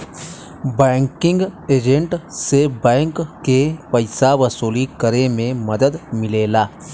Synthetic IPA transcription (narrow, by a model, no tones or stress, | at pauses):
bɛːŋkɪ̃ŋɡeːd͡ʒẽɳʈsebɛːŋkːepɐɪsaʋɐsuːlikəɾemẽmɐd̪əd̪mɪleːlaː